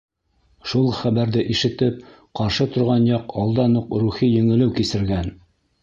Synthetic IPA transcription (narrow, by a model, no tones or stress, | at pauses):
ʃulˠχæβæɾðɘʔiʃɘ̆t̪ɘp̚ | qɑɾʃɤt̪ŏɾʁɑnjɑqɑlˠd̪ɑnuqɾuχijɵ̆ŋɘ̆lɘwkisɘ̆ɾɡæn